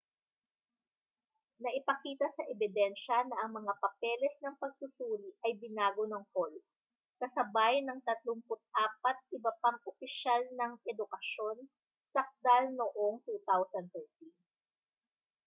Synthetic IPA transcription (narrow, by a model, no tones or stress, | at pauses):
nɐʔɪpɐkiːt̪ɐsɐʔɛbɪd̪ɛnʃɐnɐʔɐŋmɐŋapɐpɛlɛsnɐŋpɐɡ̚sʊsuːɾiʔɐjbɪnaːɡonɐŋhol | kɐsɐbajnɐŋt̪ɐt̪lʊŋpʊt̪̚ʔaːpɐt̪̚ʔɪbɐpaŋʔopɪʃalnɐŋʔɛd̪ʊkɐʃo̞n | sɐk̚t̪alnoʔoŋt̪uːt̪awsɐnd̪̚fɛɹt̪in